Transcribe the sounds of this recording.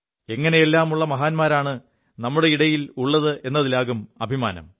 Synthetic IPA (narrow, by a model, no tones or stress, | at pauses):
e̞ŋːɐne̞jelːaːmuɭːɐmɐɦaːnmaːɾaːɳɨ | nɐmːuɽe̞iɽɐjiluɭːɐðɨʔe̞nːɐðilaːɣumɐbʱima̰ːnɐ̰m